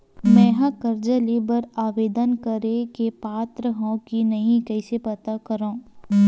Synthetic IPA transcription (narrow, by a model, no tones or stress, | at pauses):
mɛ̃ːɦãkɐɾd͡ʒəlibɐɾaːʋeːd̪ənkɐɾekepaːt̪ɾəɦõkinɐɦĩkɐɪsepɐt̪akɐɾãː